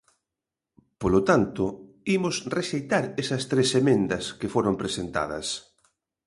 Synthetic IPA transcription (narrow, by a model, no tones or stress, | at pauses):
polot̪ant̪ʊ | imʊsreʃejt̪aɾesɐst̪ɾesemẽnd̪ɐskefoɾompɾesent̪a̰ðɐ̰s